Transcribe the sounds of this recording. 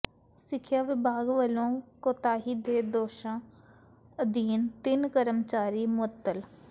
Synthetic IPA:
sɪkʰjaːʋɪbaːɡʋəlõːkoːt̪aːɦiːd̪eːd̪oːʃãː | əd̪iːnt̪ɪnkəɾəmt͡ʃaːɾiːmʊət̪ːəl

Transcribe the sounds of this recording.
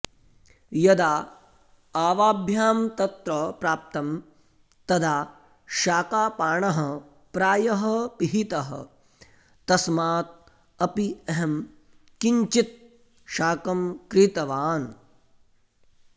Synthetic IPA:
jɐd̪aː | aːʋaːbʱjaːmt̪ɐt̪ɾɐpɾaːp̚t̪ɐm | t̪ɐd̪ʱaː | ʃaːkaːpaːɳɐɦɐ | pɾaːjɐɦɐpiɦit̪ɐɦɐ̰ | t̪ɐsmaːt̪̚ | ɐpiɐɦɐm | kiɲt͡ʃit̪̚ | ʃaːkɐmkɾit̪ɐʋaːn

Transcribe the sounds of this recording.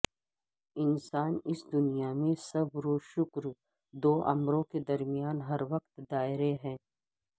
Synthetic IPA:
ɪnsaːnɪsd̪ʊnijamẽsɐbɾoːʃʊkɾ | d̪oːʔɐ̰mɾõked̪ɐɾmijaːnɦɐɾʋɐq̚t̪d̪aːɪɾeɦɛ̃ː

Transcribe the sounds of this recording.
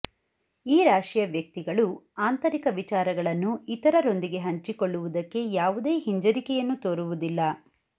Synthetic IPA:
iːɾaːʂijɐʋjɐk̚t̪iɡɐɭuaːnt̪ɐɾikɐʋit͡ʃaːɾɐɡɐɭɐnːuit̪ɐɾɐɾo̞nd̪iɡe̞ɦɐɲt͡ʃikoɭːuʋud̪ɐkːe̞jaːʋud̪e̞ːɦiɲd͡ʒɐɾikɛjɐnːut̪oːɾuʋud̪ilːɐ

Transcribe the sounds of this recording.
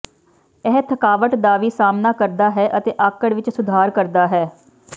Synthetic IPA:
ɛɦt̪ʰəkaːʋəʈd̪aːʋiːsaːmnaːkəɾd̪aːɦɛːʔət̪eːʔaːkəɽʋɪt͡ʃsʊd̪ʱaːɾkəɾd̪aːɦɛː

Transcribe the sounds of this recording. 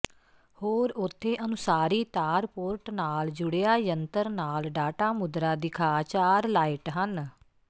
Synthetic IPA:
hoːɾʊt̪ʰːeːʔənʊsaːɾiːt̪aːɾpoːɾʈnaːld͡ʒʊɽejaːjənt̪əɾnaːlɖaːʈaːmʊd̪ɾaːd̪ɪkʰaːt͡ʃaːɾlaːɪʈɦən

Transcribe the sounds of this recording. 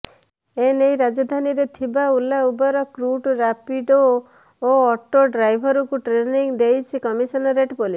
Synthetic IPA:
enejɾad͡ʒɔd̪ʱaniɾet̪ʰibaulaubɔɾɔkɾuʈɾapiɖo | oɔʈoɖɾajbʱɔɾɔkuʈɾeniŋd̪ejt͡ʃʰikɔmisɔnɔɾeʈpɔlis

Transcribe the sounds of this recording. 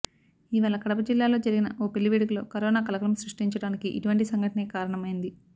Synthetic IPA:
iːʋaːlɐkɐɽɐpɐd͡ʒilːaːlo̞ːd͡ʒɐɾiɡinɐʔoːpelːiʋiːɽɐkulo̞ːkɐɾɔːnaːkɐlɐkɾɐmɐmsɾuʂʈiɲt͡ʃɐɽaːnikiʔḭʈuʋɐɳʈisɐŋɡʱɐʈɐneːkaːɾɐɳɐmɐjind̪i

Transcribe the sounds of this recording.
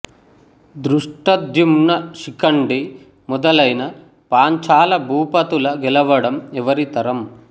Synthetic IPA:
d̪ɾuʂʈɐd̪jumnɐʃikɐɳɖi | mɔd̪ɐlɐjnɐ | paːɲt͡ʃaːlɐbʱuːpɐt̪ulɐɡɛlɐʋɐɽɐmɛʋɐɾit̪ɐɾɐm

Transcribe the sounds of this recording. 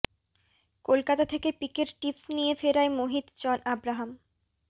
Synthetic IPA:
kolkat̪at̪ʰekepikeɾʈipsnijefeɾaemoɦid̪t͡ɕɔnʔabɾaɦam

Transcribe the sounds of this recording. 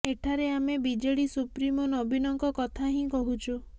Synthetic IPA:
eʈʰaɾeamebid͡ʒeɽisupɾimɔnɔbʱinɔŋkɔkɔt̪ʰaɦĩkɔɦut͡ʃʰu

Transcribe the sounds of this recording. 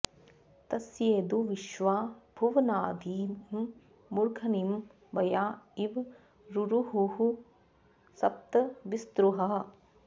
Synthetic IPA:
t̪ɐsjeːd̪uʋiʃʋaːb̥ʱuʋnaːd̪ʱiːmː | uɾɡʱɐnim | bɐjaːiʋ | ɾuɾuɦuɦu | sɐp̚t̪ɐʋist̪ɾuɦɐɦɐ

